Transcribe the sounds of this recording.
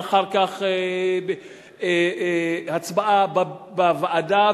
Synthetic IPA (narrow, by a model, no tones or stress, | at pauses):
χaʁkaχe | e | hat͡sbaʔababavaʔada